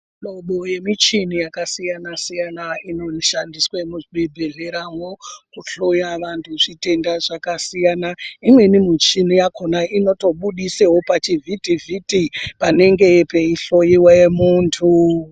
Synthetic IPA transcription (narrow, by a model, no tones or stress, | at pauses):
ɗo̞ɓoje̞mit͡ʃinijakasijanasijanainoʃandiswaemuʐiɓebʱeɮe̞ɾaŋo̞kuɬojaʋantʰuʐite̞ndaʐakasijanaimwe̞nimut͡ʃinijakʰonaino̞to̞ɓuɗisewopat͡ʃivʱitivʱitipane̞ŋɡe̞pe̞iɬo̞jiwajemuːntʰu